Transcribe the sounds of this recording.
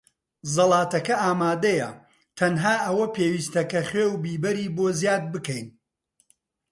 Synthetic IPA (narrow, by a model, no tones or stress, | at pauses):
zɐlˠɑːt̪ɐkɐʔaːmaːd̪ɐjɐ̰ | t̪ʰɐnɦaːʔɐwɐpeːwiːst̪ɐkɐχweːwbiːbɐɾiːboːzjaːd̪̚bɨkɛjn